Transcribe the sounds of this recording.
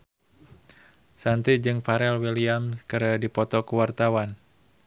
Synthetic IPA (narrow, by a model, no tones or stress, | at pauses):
sant̪id͡ʒɨŋfaɾɛlwiliamskəɾadipɔt̪ɔkəwart̪awan